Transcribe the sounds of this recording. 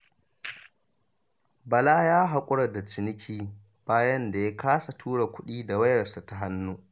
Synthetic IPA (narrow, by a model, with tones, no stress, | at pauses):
bɐ˨laː˦jaː˦ɦa˨kʷʼʊ˦ɽɐ˨da˨t͡ʃɪ˨nɪ˦kʲʰiː˦ | b̥aː˦jɐ˦nda˨ja˦kaː˦sa˨tʰuː˦ɽa˨kʷʊ˦ɗiː˦da˨wɐ˦jɾɐ˨sa˨ta˦ɦa˦nːuː˦ʔ